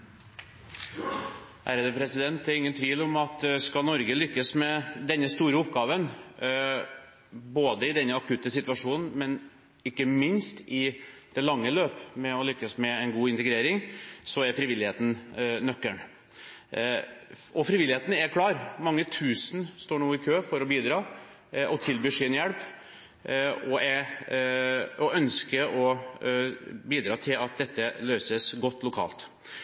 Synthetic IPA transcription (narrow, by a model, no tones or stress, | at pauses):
ʔæɾəd̪əpʰɾɛsɪd̪ɛnt̪ɛɾɪŋːənt̪ʰʋiːlɔmɑt̪skɑnɔɾɡəlʏkːəsmɛd̪ɛnːəst̪uːɾəʊpɡɑːʋən | boːd̪əɪd̪ɛnːəɑkʰʉt̪ːəsɪt̪ʋɑʂuːnn̩mɛn | ɪkːəmɪnst̪ɪd̪̥ɛlɑŋːəløːpmɛɔlʏkːəsmɛɛnɡuːɪnt̪əɡɾeːɾɪŋsɔɛɾfɾɪʋɪlɪheːt̪n̩nœkːəɳ | ɔfɾɪʋɪlːɪheːt̪n̩ɛɾkʰlɑːɾmɑŋːət̪ʰʉːsənst̪oːɳoːɪkʰøːfɔɾɔbiːd̪ɾɑː | ʔɔt̪ʰɪlbyːʂɪnjɛɽp | ɔɛ | ɔœnskəʔɔ | biːd̪ɾɑːt̪ʰɪlɑt̪̚d̪ɛt̪ːəløːsəsɡɔt̪ːlʊkʰɑ̰ːlt̪